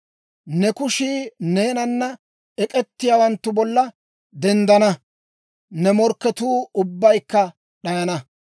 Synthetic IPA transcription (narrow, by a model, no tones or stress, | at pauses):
nɛkʊʃiːne̞ːnɐnːɐ | ɛkʼɛt̪ːɪjawɐnt̪ːʊbɔlːɐ | d̪ɛnd̪ɐnɐ | nɛmɔɾkːɛt̪uːʊbːɐjkːɐ | ɗɐjɐnɐ